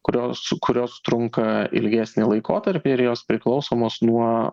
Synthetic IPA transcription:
kʊɾʲoːskʊɾʲoːst̪ɾʊŋkɐɪ̰lʲɡʲæːsʲnʲɪlˠɐɪko̰ːt̪ɐɾʲpʲɪɪɾjoːspʲɾʲɪklˠɒʊsoːmoːsnuɔ

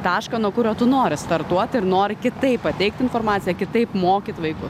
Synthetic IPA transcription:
t̪ɑːʃkɐnuɔkʊɾʲoːt̪ʊnoːɾʲɪst̪ɐrt̪uɔt̪ʲɪɾnoːɾʲɪkʲɪt̪ɐɪppːɐt̪ʲɛɪk̚t̪ʲɪnfoːɾmɑːt͡ssʲɪjɛkʲɪt̪ɐɪpmoːkʲɪt̪ʋɐɪkʊs

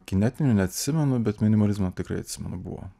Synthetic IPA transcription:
kʲɪnʲɛt̪ʲɪnʲʊnʲɛɐt̪ʲsʲɪmʲɛnʊbʲɛt̪mʲɪnʲɪmɐlʲɪzmɐt̪ʲɪkɾɐ̰ɪɐt̪ʲsʲɪmʲɛ̰nʊbṵʋo̰

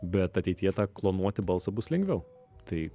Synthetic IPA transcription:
bʲɛt̪ɐt̪ʲɛɪt̪ʲijɛt̪ɑːklˠoːnuɔt̪ʲɪbɐlˠsɐbʊslʲɛŋɡʲʋʲɛʊ | t̪ɐɪ

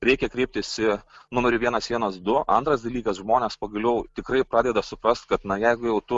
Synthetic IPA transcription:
ɾʲɛɪkʲɛkɾʲɛɪp̚t̪ʲɪsʲɪnʊmʲɛɾʲʊʋʲiɛnɐsʋʲiɛnɐsd̪ʊʔɐ̰nt̪ɾɐsd̪ɐlʲiːkɐsʒmoːnʲeːspɐɡɐlʲɛʊt̪ʲɪkɾɐɪpɾɑːd̪ʲɛd̪ɐsʊpɾɐst̪̚kɐt̪nɐjɛɪɡʊjɛʊt̪ʊ

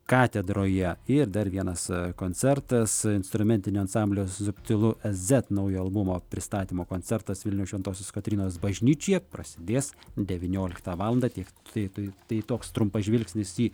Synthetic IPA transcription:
kɑːt̪ʲɛd̪ɾoːjɛɪɾd̪ɐrʋʲiɛnɐskoːnʲt͡sʲɛrt̪ɐsɪnst̪ɾʊmʲɛnʲt̪ʲɪnʲuːɐnsɑmʲbʲlʲoːszʊpʲt̪ʲɪlˠʊʔɛzʲɛt̪nɐʊjoːɐlˠbʊmoːpʲɾʲɪst̪ɑːt̪ʲiːmoːkoːnʲt͡s̪ʲɛɾt̪ɐsʋʲɪlʲnʲɛʊʃʋʲɛnt̪oːsʲoːskɐt̪ʲɾʲiːnoːsbɐʒʲnʲiːt͡ʃʲojɛpɾɐsʲɪd̪ʲeːsd̪ʲɛʋʲɪnʲoːlʲɪkt̪ɑːʋɑːlˠɐnd̪ɑːt̪ʲiɛk̪ɐɪt̪ɐt̪ɐɪt̪oːkst̪ɾʊmpɐʒʲʋʲɪlʲksʲnʲɪsiː

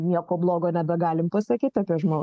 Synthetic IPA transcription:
nʲiɛkoːblˠoːɡoːnʲɛbʲɛɡɑːlʲɪmpɐsɐkʲiːt̪ʲɑːpʲiɛʒmoː

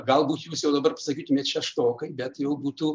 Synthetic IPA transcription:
ɡɐlˠbuːt̪juːsjɛʊd̪ɐbɐrpɐ̥sɐkʲiːt̪ʊmʲeːt̪ʃʲɛʃt̪oːkɐɪbʲɛt̪jɛʊbuːt̪uː

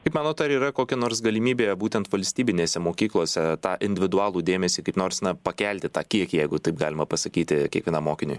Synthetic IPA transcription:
kɐɪpmɑːnoːt̪ɐɾiːɾɐkoːkʲɛnoːɾsɡɐlʲɪmʲiːbʲeːbuːt̪ʲɛnt̪ʋɐlʲsʲt̪ʲiːbʲɪnʲeːsʲɛmoːkʲiːklˠoːsʲɛt̪ɑːʔɪnʲd̪ʲɪʋʲɪd̪ʊɑːlˠuːd̪ʲeːmʲɛsʲiːkɐɪpnoːɾsnɐpɐkʲɛlʲt̪ʲɪt̪ɑːkʲiɛkʲjɛɪɡʊt̪ɐɪpɡɑːlʲɪmɐpɐsɐkʲiːt̪ʲɪkʲiɛkʋʲiɛnɐːmoːkʲɪnʲʊj

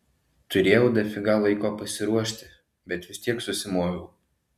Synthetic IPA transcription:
t̪ʊɾʲeːjɛʊd̪ɐfʲɪɡɑʋɐɪkoːpɐsʲɪɾuɔʃʲt̪ʲɪ | bʲɛt̪ʋʲɪsʲt̪ʲiɛksʊsʲɪmoːjʲɛʊ

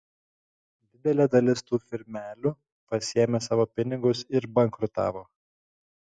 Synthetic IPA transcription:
d̪ʲɪd̪ʲɛlʲɛːd̪ɐlʲɪst̪uːfʲɪɾʲmʲæːlʲʊ | pɐsʲɪɛmʲeːsɑːʋoːpʲɪnʲɪɡʊsɪɾbɐŋkɾʊt̪ɑ̰ːʋoː

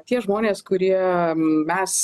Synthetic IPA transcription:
t̪ʲiɛʒmoːnʲeːskʊɾʲiɛmʲɛs

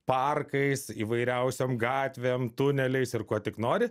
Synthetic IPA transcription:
pɐrkɐɪsiːʋɐɪɾʲɛʊsʲomɡɑːt̪ʲʋʲeːmt̪ʊnʲɛlʲɛɪsɪrkuɔt̪ʲɪknoːɾʲɪ

